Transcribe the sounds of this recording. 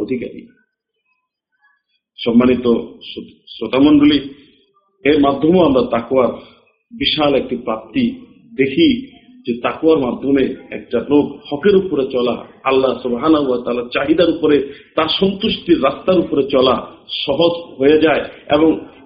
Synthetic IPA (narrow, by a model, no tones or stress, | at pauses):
od̪ʱika̰ɾḭ | ʃɔmːanit̪o | sɾot̪amɔnɖoli | eɾmad̪ʱːɔmoamɾat̪akoaɾ | biʃalɛk̚ʈipɾap̚t̪i | d̪ekʰi | d͡ʑet̪akwaɾmad̪ʱːɔmeɛ̰k̚ʈalokhɔkeɾupoɾet͡ɕɔla̰alːasubɦanaɦuat̪aːlaɾt͡ɕaɦid̪aɾupoɾet̪aɾʃɔnt̪uʃʈiɾːast̪aɾupoɾet͡ɕɔlaʃɔɦod͡ʒɦojad͡ʑaeḛbɔŋ